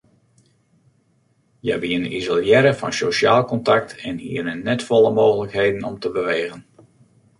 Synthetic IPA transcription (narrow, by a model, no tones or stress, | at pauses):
jɛbiənizolˠjɛɾəfɑ̰nsoʃa̰ːlˠkɔntak̚tʰɛnhḭənənɛtfɔləmoːɣələkheːdənɔ̰mtəbəʋeːɣən